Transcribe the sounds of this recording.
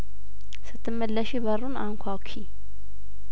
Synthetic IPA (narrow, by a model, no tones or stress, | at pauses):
sɨt̪ʰːɨmːəlːəʃibəruna̰ŋkʷʰawkʰi